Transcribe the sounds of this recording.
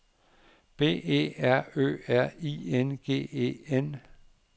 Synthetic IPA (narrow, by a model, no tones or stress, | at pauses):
b̥e̝̰ːe̝̰ːæɐ̰ø̰ːæɐ̰ienɡ̥e̝̰ːḛːen